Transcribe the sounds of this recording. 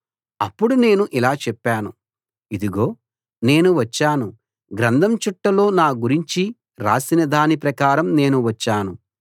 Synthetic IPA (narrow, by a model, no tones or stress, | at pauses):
ɐpːuɽune̞ːnuʔilaːt͡ʃɛpːaːnu | id̪iɡo̞ː | ne̞ːnuʋɐt͡ʃːaːnu | ɡɾɐnd̪ʱɐmt͡ʃuʈːɐlo̞ːnaːɡuɾiɲt͡ʃi | ɾa̰ːsinɐd̪aːnipɾɐkaːɾɐmne̞ːnuʋɐt͡ʃːaːnu